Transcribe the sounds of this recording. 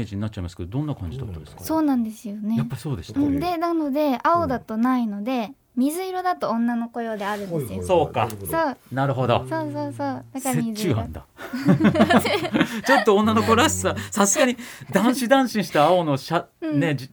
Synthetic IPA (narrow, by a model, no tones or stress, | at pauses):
eʑiɲ̟inat͡ɕ̚ːaimasɨ̥ked̪od̪õ̞nːakã̰ɲ̟d͡ʑid̪at̪ːad̪eskso̞ːnãnd̪e̞sɨjo̞ne̞japːaɾʲiso̞ːd̪e̞st̪ɯ̟̃ɴd̪e̞nano̞d̪e̞ao̞d̪at̪o̞naino̞d̪e̞ | mʲizɨiɾo̞d̪at̪oõnːano̞ko̞jo̞ːd̪e̞aɾɯ̟̃nesɨjoso̞ːkasoːnaɾɯ̟ɦo̞d̪o̰soːsoːsoːd̪akamizt͡ɕːɨːɦã̰nd̪a̰ | t͡ɕo̞t̪ːoõnːano̞koɾasi̥sasasɨɡaɲ̟id̪ãɰ̃ɕid̪ãɰ̃ɕĩɰ̃ɕi̥t̪aːo̞no̞ɕa | ne̞d͡ʑi